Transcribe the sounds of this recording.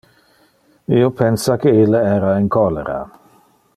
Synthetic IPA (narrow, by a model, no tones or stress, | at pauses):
iːopʰɛnsakeilːeɛːɾainkʰɔlḛɾa̰